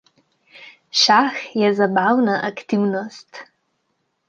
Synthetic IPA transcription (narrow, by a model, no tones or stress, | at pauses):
ʃaxjɛzabawnaʔakt̪iwnɔst̪